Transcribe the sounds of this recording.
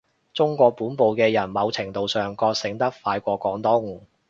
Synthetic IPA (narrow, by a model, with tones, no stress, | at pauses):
t͡sʊ˥ŋkʷɔː˧k̚puː˨˥npo˨wkɛː˧jɐ˨˩nmɐ˨˧wt͡sʰɪ˨˩ŋt̪o˨wsœː˨ŋkɔː˧k̚sɪ˨˥ŋt̪ɐ˥k̚faː˧jkʷɔː˧kɔː˨˥ŋt̪ʊ˥ŋ